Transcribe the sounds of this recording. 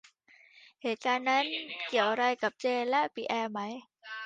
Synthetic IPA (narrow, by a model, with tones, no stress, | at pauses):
heː˨˩t̪̚kaː˧nːa˦˥nki˨˩əwɾa˧jka˨˩p̚t͡ɕeː˧lɛ˦˥ʔpiː˧˩ʔɛː˧ma˦˥j